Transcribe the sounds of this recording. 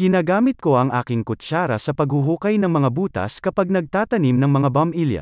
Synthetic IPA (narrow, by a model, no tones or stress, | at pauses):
ɡɪnaːɡaːmɪt̪̚ko̞ʔɐŋʔaːkɪŋkʊt͡ʃaːɾɐ̰sɐpɐɡhʊɦuːkɐjnɐŋmɐŋabuːt̪ɐ̰skɐpaɡ̚nɐɡ̚t̪aːt̪ɐnimnɐŋmɐŋabɐmiljɐ̰